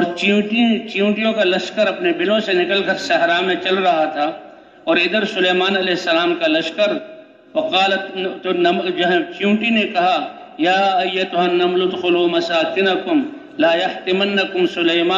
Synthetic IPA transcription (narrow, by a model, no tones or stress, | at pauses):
ɔːɾt͡ʃiʈit͡ʃjũːʈijõkalɐʃkəɾɐpnebɪlõsenɪkəlkɐɾsɐɦɾamẽt͡ʃɐlɾɐɦat̪ʰaː | ɔːɾɪd̪əɾsʊleːmaːnɐlɛɦɪsːɐlaːmkalɐʃkəɾ | wɐqaːlɐt̪nɐmd͡ʒɐɦt͡ʃjũːʈinekɐɦa | jaːɐjːɐt̪ʊɦɐnːɐmlʊt̪xʊloːmɐsaːkɪnɐkʊm | laːjɐht̪ɪmɐnːɐkʊmsʊleːmaː